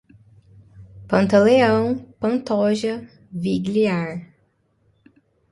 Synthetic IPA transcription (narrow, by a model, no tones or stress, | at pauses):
pɐ̃nt̪ɐleɐ̃w̃pɐ̃nt̪ɔʒɐ | viɡliaɾ